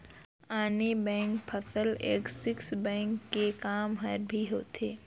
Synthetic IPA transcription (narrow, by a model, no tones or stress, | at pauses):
aːnebɛ̃ːŋkpʰɐtəleːksɪksbɛ̃ːŋkːekaːmɦɐɾbʱiɦoːt̪ʰeː